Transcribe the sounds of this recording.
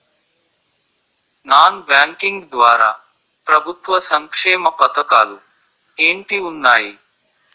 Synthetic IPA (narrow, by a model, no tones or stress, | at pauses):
naːnbaːŋkɪŋɡd̪ʋaːɾa̰ː | pɾɐbʱʊt̪ʋɐsɐŋkʂeːmɐpɐt̪ɐkaːlu | eːɳʈiunːaːji